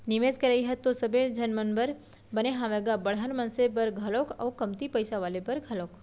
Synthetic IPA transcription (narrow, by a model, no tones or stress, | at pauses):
nɪʋeskəɾaiɦət̪ːosəbed͡ʒənmənbəɾ | bəneɦãʋeɡabəɽ̤aɾmənsep̬əɾɡʱəlokə̰wkəmt̪ipəjsaʋalepəɾɡʱəlok